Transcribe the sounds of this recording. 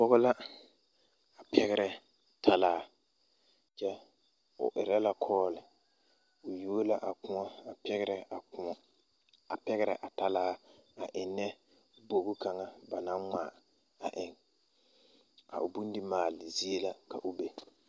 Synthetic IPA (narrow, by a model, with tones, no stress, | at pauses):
pɔ˦ɣɔ˦la˦ | a˨pʰɛ˦ɣɪ˦ɾɛ˨ | tʰa˦laː˦ | t͡ʃɛ˦ | ʊ̰˨ʔɪ̰˨ɾa˦la˦kʰɔː˦lɪ˨ | ʊ˨ju˦o˦la˦ʔa˨kʊ̃˦ɔ˦a˨pɛ˦ɣɾɛ˨a˨˦ | a˨pɛ˦ɣɪ˦ɾɛ̰˨ʔa˨ta˦laː˦a˨ʔɪ˨nːɛ˦ | bo˨ɡu˦ka˨ŋa˦ba˨na˦ŋŋ͡ma˨ | a˨ʔɪ˨ŋ | ka̰˨ʔʊ˨bu˦n˦dɪ˦maː˨lɪ˨zi˦e˦la˦ka̰˨ʔʊ˨be˦